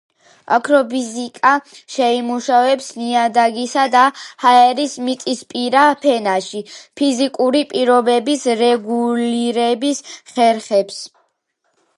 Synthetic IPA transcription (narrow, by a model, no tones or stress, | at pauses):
a̰kʰɾɔbizikʼaʃɛimuʃavɛpsniad̪aɡisad̪ahaɛɾismit̪ʼispʼiɾapʰɛnaʃipʰizikʼuɾipʼiɾɔbɛbisɾɛɡuliɾɛbisχɛɾχɛps